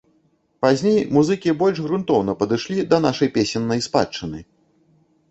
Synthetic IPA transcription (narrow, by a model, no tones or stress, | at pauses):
pazʲnʲejmuzɨkʲibɔlʲʐɣɾunt̪ɔwn̪ɐpɐd̪ɨʂlʲid̪ɐn̪aʂɐjpʲesʲɛnːɐjspa̰t͡ʂːɨnɨ̰